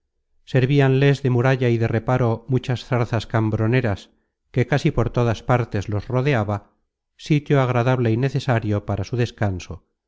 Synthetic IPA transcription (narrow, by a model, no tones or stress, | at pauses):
se̞ɾβianle̞zðe̞muɾaʎaiðe̞re̞paɾo̞mut͡ʃasθaɾθaskambɾo̞ne̞ɾas | ke̞kasipo̞ɾt̪o̞ðaspaɾt̪e̞zlo̞sro̞ð̞e̞aβa | sit̪joaɣ̞ɾaðaβle̞ine̞θe̞saɾjo̞paɾasuðe̞skanso̞